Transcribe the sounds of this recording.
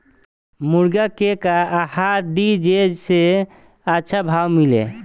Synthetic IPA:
muɾɡakekaahad̪id͡ʒed͡ʒse | ətːʃʰabʱawmilḛ

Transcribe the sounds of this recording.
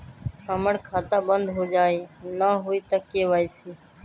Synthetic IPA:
səməɽkʰaːt̪aːbənd̪ɦoːd͡ʒaːiːnaːɦʊiːt̪əkeːʋaːiːsiː

